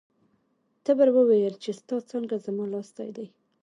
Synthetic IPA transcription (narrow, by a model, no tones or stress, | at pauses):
t̪əbəɾwəwejəlt͡ʃest̪ɑt͡səŋɡazamɑlɑsd̪a̰jd̪aj